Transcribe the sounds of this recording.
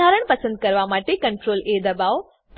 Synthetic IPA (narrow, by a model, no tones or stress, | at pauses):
aːɾəɽ̃pɐsə̃nd̪̚kɐɾʋamaːʈekɐ̃ɳʈɾoːleːd̪ɐbaːʋ | p